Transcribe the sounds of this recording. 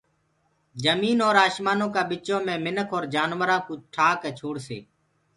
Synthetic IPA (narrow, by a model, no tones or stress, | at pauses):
d͡ʒəmiːnoːɾaːʃmaːnõːkaːɓɪt͡ʃõːmẽːmɪnəkʰoːɾd͡ʒaːnʋəɾãːkuːt͡ʃʈʰaːkɛːt͡ʃʰoːɽsḛː